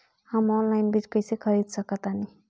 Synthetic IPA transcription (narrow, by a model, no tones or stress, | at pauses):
həmɔnlaɪnbɾit͡ʃkəjsekʰəɾid̪səkət̪ani